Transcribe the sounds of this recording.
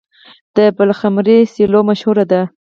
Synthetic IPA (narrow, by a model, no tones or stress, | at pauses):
d̪̥əbəlxamɾesilomaʃhuɾad̪a